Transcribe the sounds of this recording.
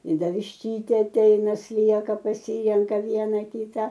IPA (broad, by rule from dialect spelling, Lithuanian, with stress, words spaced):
ɪ ˈdɐ ʋʲɪʃʲˈtʲiːtʲeː ɐˈtʲɛɪnɐ ˈsʲlʲiɛkɐ pɐˈsʲiːrʲɛŋkɐ ˈʋʲiɛnɐ ˈkʲiːtɐ